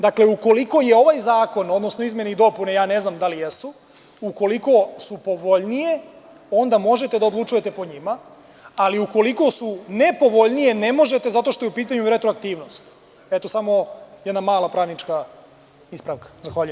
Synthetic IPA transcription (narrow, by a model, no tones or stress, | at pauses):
d̪akle̞uko̞liko̞jeo̞ʋajzaːko̞no̞d̪nosnoizmje̞neid̪o̞punejaːne̞znamd̪alijesu | uko̞liko̞supo̞ʋo̞ʎnije̞ | o̞nd̪amo̞ʒe̞t̪e̞d̪ao̞d̪lˠut͡ʃuje̞t̪e̞po̞ɲima | aliuko̞liko̞sune̞po̞ʋoʎnije̞nemo̞ʒet̪e̞zat̪o̞ʃt̪o̞jeupiːt̪aɲuɾet̪ɾoakt̪iːʋno̞st̪ | et̪osamo̞jɛd̪namaːlˠapɾaːʋnit͡ʃka | ispɾaʋkḁzaxʋaːʎujem